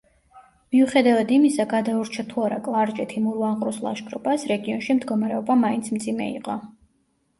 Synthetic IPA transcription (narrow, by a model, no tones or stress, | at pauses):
miuχɛd̪avad̪imisaɡad̪auɾt͡ʃʰat̪ʰuaɾa̰kʼlˠaɾt͡ʃʼɛt̪ʰimuɾvaɴqʼɾuslˠa̰ʃkʼɾɔ̰pasɾɛɡiɔnʃimd̪ɡɔmaɾɛɔbamaint̪sʰmt̪sʼimɛ̰ḭqʼɔ